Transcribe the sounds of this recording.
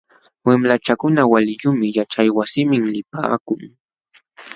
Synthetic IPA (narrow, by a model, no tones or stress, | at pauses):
wemlat͡ʃakʊnawalɪʎʊmɪjat͡ʃajwasɪmɪŋlɪpa̰ːkʊŋ